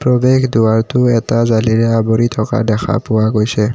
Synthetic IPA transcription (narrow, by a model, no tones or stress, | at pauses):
pɹɔbeɡduaɹtʊɛtazaliɹɛaboɹitʰɔka̰dɛxʰa̰pʊwaɡojsɛ